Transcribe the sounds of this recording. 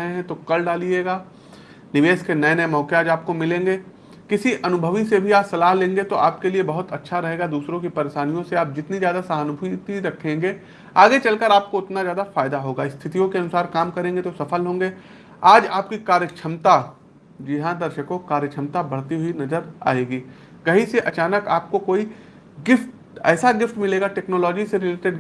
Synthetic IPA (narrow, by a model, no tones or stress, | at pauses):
ɦeɦɛ̃t̪okɐlɖaːlieːɡaː | nɪʋeːʃkenɐenɐemɔːkeaːd͡ʒaːp̚komɪlẽːŋɡeː | kɪsiʔɐnʊbʱəʋisebʱiaːpsɐlaːɦlẽːŋɡet̪oʔaːpkeliebɐɦʊt̪ɐtːʃʰaɾɐɦeːɡad̪uːsɾõkipɐɾeːʃaːnijõseaːp̚d͡ʒɪt̪nizjaːd̪asaɦnʊbʱuit̪iɾɐkʰːẽːŋɡe | aːɡet͡ʃɐlkəɾaːp̚koʊt̪nazjaːd̪afaːɪd̪aɦoːɡaːɪst̪ʰɪt̪ijõkeɐnʊsaːɾkaːmkɐɾẽːŋɡet̪osɐfəlɦõːŋɡe | aːd͡ʒaːp̚kikaːɾjət͡ʃʰɐmt̪a | d͡ʒɪɦãd̪ɐɾʃəkõkaːɾjət͡ʃʰɐmt̪abɐɽ̤t̪iɦʊinɐzəɾa̰ːeːɡiː | kɐɦiseʔɐt͡ʃaːnəkaːp̚kokoːi | ɡɪfʈ | ɛ̰ːsaɡɪfʈmɪleːɡaʈɛːknoːlɔːd͡ʒiseɾɪleːʈeɖ